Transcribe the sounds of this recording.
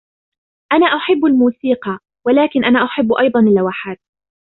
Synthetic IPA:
ʔanaːʔʊħɪbːalmuːsiːqɑ | walaːkɪnʔanaːʔʊħɪbːʔɑjd̪ˤɑnalːawaħaːt̪̚

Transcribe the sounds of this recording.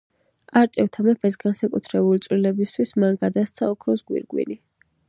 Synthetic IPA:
aɾt̪sʼɛft̪ʰamɛpʰɛsɡansakʼut̪ʰɾɛbulit̪sʼwlilɛbist̪ʰwismanɡad̪ast̪sʰaɔkʰɾɔsɡwḭɾɡwḭni

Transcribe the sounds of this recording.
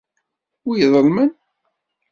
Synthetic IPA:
ʊjəðˤəlmən

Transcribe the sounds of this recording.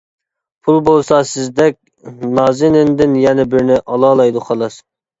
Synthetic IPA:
pʰulˠbolˠsɑsɪzd̪ɛk̚ʲ | nɑːzɪnɪnd̪ɪnjɛnɛbɪɾnɪʔɑlˠɑːlˠɑjd̪uχɑlˠɑs

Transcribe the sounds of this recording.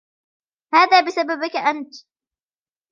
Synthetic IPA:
haːðaːbɪsababɪkaʔant̪

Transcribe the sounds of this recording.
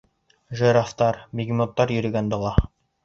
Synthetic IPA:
ʒɤ̆ɾɑft̪ɑɾmʲiɡʲmʲot̪ːɑɾjɵ̆ɾɘ̆ɡænd̪ɤ̆lˠɑ

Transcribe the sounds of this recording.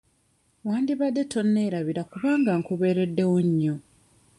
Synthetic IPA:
waːndiβadːe̞to̞nːe̞ːɾaβiɾakuβaːŋɡaŋkuβe̞ːɾe̞dːe̞woɲːo

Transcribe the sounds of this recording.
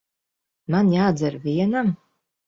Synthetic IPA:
manjaːd͡zɐɾviɛnam

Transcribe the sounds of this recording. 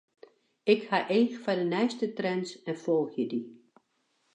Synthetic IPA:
ɪkhaʔeːxfadənɛjstətrɛnsɛnfɔlˠxjədi

